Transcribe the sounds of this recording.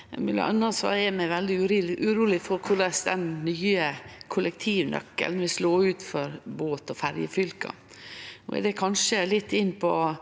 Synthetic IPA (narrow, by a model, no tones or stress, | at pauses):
mʉlːə̰ɑ̰nːɑsɔ̰ɛɾmæɪʋɛld̪ɪʉɾʔʉɾuːlɪfɔɾkʰʊleːsd̪ɛnnyːəkʰʊlɛk̚t̪ʰiːʋnʔœ̰kːə̰lnʋɪsloːʉːt̪fɔɾboːt̪ɔfæɾjəfʏlkɑ̰ | ɔ̰ɛ̰d̪ɛkʰɑnʂəlɪt̪ʰːɪnːpʰɔ